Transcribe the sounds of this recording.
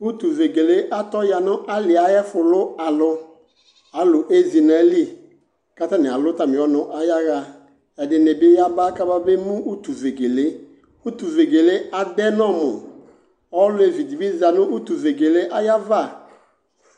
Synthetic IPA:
u˦tu˨ve˨ɡe˨le˦ʔa˦tɔ˦ja˨nʊ˦ʔa˦lɪ˨a˨jɛ˦fʊ˨lʊ˦a˨lʊ˦ | a˨˦lʊ˨ʔe˦zi˨na˨˦li˦ | ka˦ta˦nɪ˨a˨lʊ˦ta˨mɪ˨ɔ˨˦nʊ˨˦ʔa˨ja˦ɣa˨ | ɛ˨dɪ˨nɪ˨bɪ˦ja˦ba˦ka˦ba˦be˦mũ˦u˦tu˨ve˨ɡe˨le˦ | u˦tu˨ve˨ɡe˨le˦a˨dɛ˦nɔ˦˨mʊ̰˨ | ɔ˦lʊ˦e˨vi˨di˨bi˦za˨nʊ̃˦ʔu˦tu˨ve˨ɡe˨le˦ʔa˦ja˦va˦˨

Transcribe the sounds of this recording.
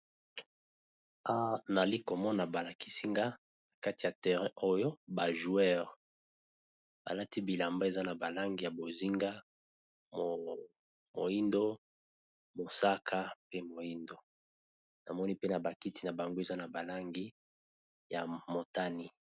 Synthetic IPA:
a˦na˨li˦ko˨mɔ˦na˨ba˨la˨ki̥˦si˦ŋɡa˦ | na˨ka˦ti˨ja˨tɛ˨ʁɛ̃˦ʔo˦jo˦ba˨ʒu˨ɛ˦ʁ | ba̰˨la˦ti˦bi˨la˨mba˦e˨za˦na˨ba˨la˦ŋɡi˨ja˨bo˨zi˦ŋɡa˦ | o˨ | mo̰˨i˦ndo˦ | mo˨sa˦kʰa˦pe˦mo˨i˦ndo˦ | na˨mɔ˦ni˦pe˦na˨ba˨ki˦ti˨na˨ba˨ŋɡo˦e˨za˦na˨ba˨la˦ŋɡi˦ | ja˨mo˨ta˦ni˦

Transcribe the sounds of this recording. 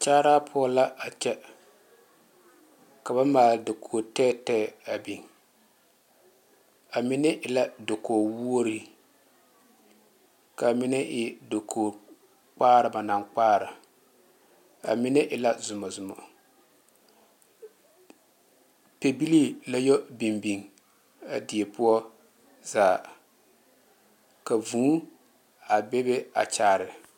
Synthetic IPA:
t͡ʃaː˦ɾaː˦pʰʊ˦ɔ˦la˦a˨t͡ʃɛ˦ | ka˨βa˦maː˨ldɪ˨kʰo˨o˨tɛː˦tɛː˦˨a˨bi˨ŋ | a˨mɪ˦nɛ˦ʔɪ˨la˦do˨koː˨wu˦o˦ɾi˦ | ka˨mɪ˦nɛ˦ʔɪ˦do˨kʰoː˨ | k͡paː˦ɾɨ˨ba˨na˨ŋk͡paː˦ɾɪ˨ | a̰˨mɪ˦nɛ˦ʔɪ˨la˦zʊ˨mɔ˨zʊ˨mɔ̰˨ | pe˨bi˦li˦la˦jo˦bi˨mbi˨ŋ | a̰˨di˨e˨pʊ˦ɔ˦ | zaː˨ | ka˨vũː˦ | a˨be˦be˦a̰˨t͡ʃaː˦˨ɾɪ˨

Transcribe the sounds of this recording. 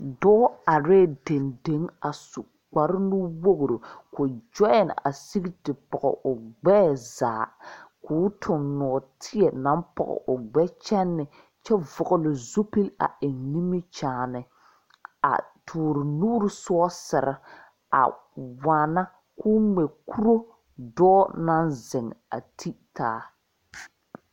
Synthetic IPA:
dɔː˦a˨ɾeː˦˨de˨nde˨˦ŋa˨su˨ | k͡pa˨ɾɪ˦nu˦wo˦ɣɾo˨ko˨d͡ʒɔ˦jɛ˨n̰˨a̰˨si˦ɡi˦tɪ˨pɔ˨ɣɔ̰˨ʔʊ˨ɡ͡bɛ˦za̰ː˨kʰʊː˦tʰʊ˨ŋnɔ˨ɔ˨tʰɪ˦ɛ˨nã˨˦mpɔ̰˨ɣɔ̰˨ʔʊ˨ɡ͡bɛ˦t͡ʃɛ˦nːɪ˨ | t͡ʃɛ˦vʊ˨ɣʊ˨lʊ˨zo˦pi˦la̰˨ʔɪ˨ni˦mi˦t͡ʃaː˨nɪ˨ | a̰˨tʰuː˨ɾɪ˨nuː˦ɾɪ˦sʊ˦ɔ˦sɪ˨ɾɪ˦ | a̰˨ | waː˨na˦ | kuː˦ŋ͡mɛ˨kʰu˦ɾo˦ | dɔː˦na˦nzɪ˨ŋa̰˨tʰi˦taː˨˦

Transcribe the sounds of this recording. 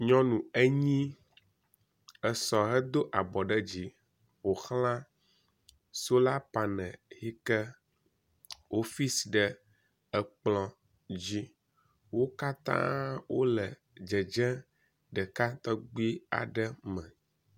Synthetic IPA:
ɲɔ̃˦nũ˨ɛ˦ɲĩ˦ | ə˨sɔ˨ɦɛ˦d̪o˦ʔa˨bɔ˨ɖə˦d͡ʑi˦ | ɸo˨xlã˦ | so˦la˦pa˨nɛ̃˨hi˦kə˦ | o˦fi˦sɖə˨ | ə˨k͡plɔ̃˨ | d͡ʑi˦ | wo˦ka˦t̪ã̰˦wo˦lə˨ | d͡ʒə˨d͡ʒɛ̃˦ | ɖə˨ka˦t̪ɔ˦ɡ͡bi˦i˦a̰˨ɖə˦mɛ̃˨

